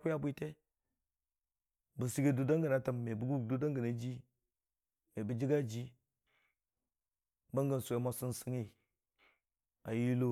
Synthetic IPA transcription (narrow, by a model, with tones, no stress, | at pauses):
ku˦ja˦bʷi˦te˦ | bu˨si˦ɡe˦du˦da˦ŋɡa˨na˨ta˨mme˨bu˨˦ɡu˦du˦da˦ŋɡa˨na˨d͡ʒi˦ | me˨bə˨d͡ʒi˦ɡa˦d͡ʒi˦ | ba˦ŋɡa˨n˨su˨a˨ma˨su˦nsi˦ŋi˦˨ | a˨ji˦lo˦